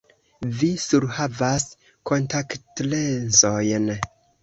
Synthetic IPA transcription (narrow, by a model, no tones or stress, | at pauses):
visuɾhavas | ko̞ntaktlensojn